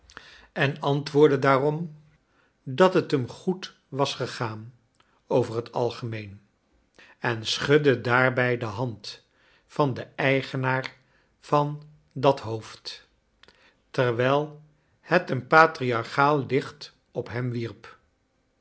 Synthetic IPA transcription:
ɛnɑntʋʊːɹdədaːrɔm | dɑtɦətəmχut | ʋɑsχəχaːn | owvərɦətɑ̰lˠχəmejn | ɛnsχɵdədaːɹbɛjdəɦɑnt | fɑndəɛjχənaːɹ | v̥ɑn | dɑtɦowft | tərʋɛjlˠ | hətənpaːtriɑɹχaːlˠlɪχt | ɔpɦɛmʋirp

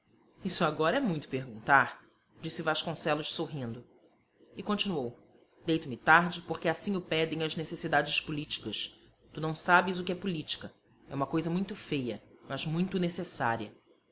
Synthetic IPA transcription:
isʊaɡɔɾɐɛmũj̃t̪ʊ̥peɦɡũnt̪aɾ | d͡ʒisɪvaʃkõsɛlʊʃsoɦĩnd̪ʊ | ɪkõnt͡ʃinuow | d̪ejt̪ʊmɪt̪aɾd͡ʒɪpoχkɪasĩɲʊpɛd̪ẽj̃ɐznesesid̪ad͡ʒɪʃspulit͡ʃi̥kɐʃ | t̪unɐ̃w̃sabɪzʊkɪɛpulit͡ʃi̥kɐ | ɛũmɐkojzɐmũj̃t̪ʊfejɐmɐzmũj̃t̪ʊnesesa̰ɾiɐ

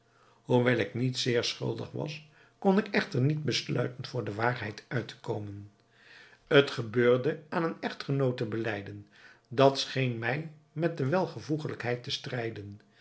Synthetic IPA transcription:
ɦuʋɛlˠɪknitsɪːɹsχʏ̰lˠdə̰χʋɑ̰s | kɔnɪkɛχtəɹnid̚bəslœ̰ɥtənv̥ʊːɹdəʋaːɹɦɛjtœɥtə̥kowmən | ətχəbøːɹdəaːnənɛχtχənowtəbəlɛjdən | dɑtsχejnmɛjmɛt̚dəʋɛlˠχəvuχələkɦɛjtəstrɛjdən

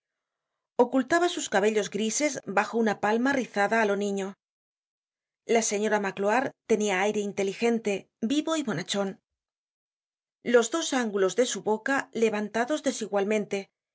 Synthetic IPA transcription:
o̞kult̪aβasuskaβ̞e̞ʎo̞zɣɾise̞zbaxo̞unapalmariθaðaːlo̞nĩɲo̞ | lase̞ɲo̞ɾamakloaɾt̪e̞niaajɾe̞int̪e̞lixe̞nt̪e̞ | biβo̞imo̞nat͡ʃo̞n | lo̞zðo̞saŋɡulo̞zðe̞suβo̞kale̞βant̪aðo̞zðe̞siɣwalmẽ̞nt̪e̞

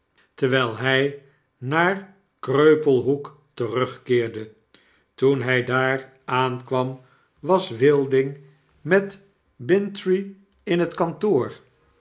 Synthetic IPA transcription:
təɹʋɛjlˠɦɛj | naːr | krøɥpəlˠɦuk | tərɵχkɪːɹdə | tunɦɛjdaːɹ | aːnkʋɑm | ʋɑsʋɪlˠdɪŋ | mɛt | bɪntri | ɪnɦətkɑntoːɹ

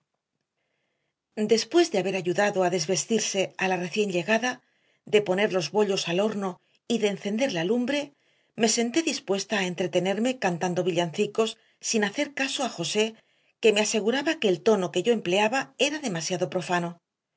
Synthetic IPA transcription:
d̪e̞spwe̞zðe̞aβe̞ɾaʝuðaðoaðe̞zβe̞st̪iɾse̞alare̞θje̞ɲʎe̞ɣaða | ðe̞po̞ne̞ɾlo̞zβo̞ʎo̞salo̞ɾno̞ | iðe̞ːnθe̞nd̪e̞ɾlalumbɾe̞ | me̞se̞nt̪iðispwe̞st̪aːent̪ɾe̞t̪e̞ne̞ɾme̞kant̪and̪o̞β̞iʎanθiko̞sː | inaθe̞ɾkaso̞axo̞se̞ | ke̞me̞ase̞ɣ̞uɾaβake̞ːlt̪o̞no̞ke̞ʝo̞e̞mple̞aβae̞ɾaðe̞masjaðo̞pɾo̞fano̞

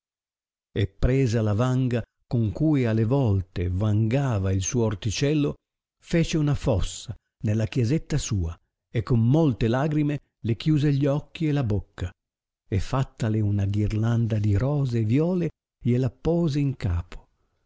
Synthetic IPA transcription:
epːɾɛːzalavaŋɡa | koŋkuːjalːevɔlt̪evaŋɡaːvailsuːoːrt̪it͡ʃɛlːo | fɛːt͡ʃeunafɔsːa | nelːakjɛzɛt̪ːasuːa | ekːomːolt̪elaːɡɾime | lek̟juːzeʎːɔkːiɛlabokʰːa | efːat̪ːalɪunaɡirland̪ad̪iɾɔːzeːvjɔːle | ʎelapɔːzeiŋka̰ːpʰo̥

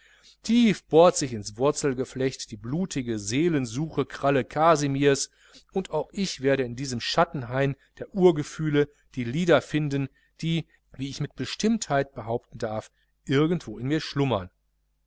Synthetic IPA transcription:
tʰiːfb̥oːɐtz̥ɪçɪnsv̥ʊɐt͡sl̩ɡəflɛçtd̥iːbluːtʰɪɡəzeːlənzuːxəkʁ̥aləkʰazimiːɐs | ʊntʔaʊxʔɪçv̥eːɐɾəɪndiːzəmʃatn̩ɦaɪmd̥eːɐʔuːɐɡəfyːlə | d̥iːliːdɐfɪndn | d̥iː | viːɪçmɪt̚b̥əʃtɪmthaɪt̚b̥əɦaʊp̚tn̩daɐf | ʔɪɐɡn̩tv̥oːɪnmiːɐʃlʊmɐn

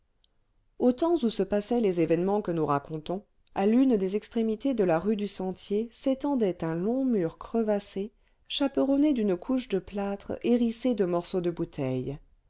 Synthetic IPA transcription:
ot̪ɑ̃zusəpasɛlezevɛnmɑ̃kənuʁakɔ̃t̪ɔ̃ | alynd̪ezɛkst̪χemit̪ed̪əlaʁyd̪ysɑ̃t̪jeset̪ɑ̃d̪ɛt̪ɛ̃lɔ̃myʁkχəvase | ʃapəʁɔned̪ynkʰuʃd̪əplat̪χeʁised̪əmɔʁsod̪əbut̪ʰɛj

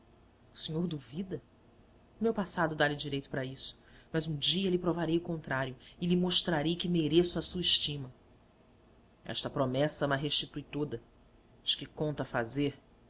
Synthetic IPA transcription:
ʊ̥siɲoɾd̪uvid̪ɐ | umewpasad̪ʊd̪alɪd͡ʒiɾejt̪ʊpɾɐisʊ̥mɐzũd͡ʒiɐlɪpɾovaɾejʊkõnt̪ɾaɾjʊɪlɪmoʃt̪ɾaɾejkɪmeɾesʊɐsuɐiʃt͡ʃĩmɐ | ɛ̰ʃt̪ɐpɾomɛsɐɛ̃mɐɦeʃt͡ʃit̪ujt̪od̪ɐ | d͡ʒɪ̥kɪkõnt̪ɐfazeɾ

